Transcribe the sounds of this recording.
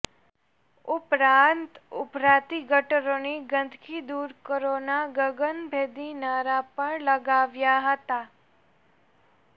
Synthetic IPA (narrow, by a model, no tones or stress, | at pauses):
ʊpɾaːnt̪ʊpɾaːt̪iɡəʈəɾõniɡə̃nd̪ʱkʰid̪uːɾkəɾoːnaɡəɡənbʱeːd̪inaːɾapəɳləɡaːʋjaɦət̪aː